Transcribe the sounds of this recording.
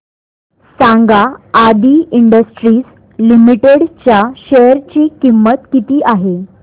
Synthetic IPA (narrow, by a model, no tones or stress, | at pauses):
sãŋɡaːd̪iːiɳɖəsʈɾiːs | limiʈeɽt͡ɕjaɕejəɾt͡ɕiːkimːət̪kit̪iːʔaɦe